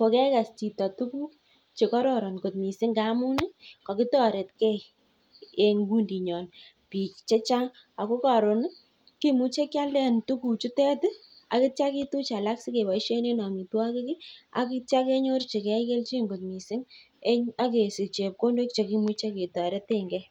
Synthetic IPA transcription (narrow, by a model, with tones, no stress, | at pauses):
po˨kɛ˦ka˨st͡ʃi˨tɔ˨tu˦ku˦ | t͡ʃe˨kɔ˦ɾɔ˦˨ɾɔ˨nko˨t̚mi˨sɪ˦ŋka˦mu˦nɪ˦kɔ˨kɪ˦tɔ˦ɾe˨tkɛ˦ | e˨ŋɡu˦ndi˨ɲɔ˨n | pi˨kt͡ʃe˦t͡ʃa˦ŋ | a˨ko˦ka˨ɾo˨n˦ | ki˦mu˦t͡ʃe˦kja˦lɛ˦ntu˦ku˨t͡ʃʊ˦tɛ˦t | a̰˨kɪ˦t͡ʃa˦ki˦tu˦t͡ʃa˨la˦ksi˦ke˨bɔ˨i˦ʃe˦ne˦nɔ˨mi˨twa˦kɪ˦kɪ˦a̰˨kɪ˦t͡ʃa˦ke˦ɲo˦rt͡ʃe˨kɛ˦ke˦lt͡ʃi˦ŋɡo˨tmi˨sɪ˦ŋ | e˦a˦ke˨sɪ˨t͡ʃe˨p̚ko˦ndo˦k̚t͡ʃe˨ki˦mu˦t͡ʃe˦ke˨tɔ˨ɾe˦te˦ŋɡɛ˦